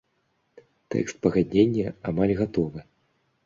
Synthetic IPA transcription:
t̪ɛ̰kst̪pɐɣad̪ʲnʲenʲːɐamalʲɣat̪ɔvɨ

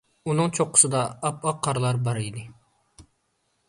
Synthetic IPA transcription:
unɨŋt͡ʃʰoqʰːə̥sɨd̪ɑːpɑqʰːɑɾlˠɑɾbɑɾid̪ɪ

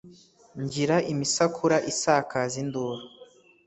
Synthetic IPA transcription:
ɲɟiɾaʔimisakʰuɾaʔisakazinduɾa

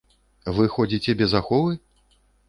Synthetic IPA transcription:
vɨxɔd͡zʲit͡sʲɛbʲɛzaxɔvɨ

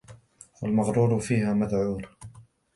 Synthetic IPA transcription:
walmɑɣɾuːɾʊfiːhaːmaðʕuːɾ

